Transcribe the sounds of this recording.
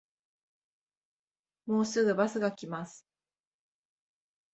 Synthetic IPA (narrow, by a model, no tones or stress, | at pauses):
mo̞ːsɨɡɯ̟basɨɡakʲimasɨ̥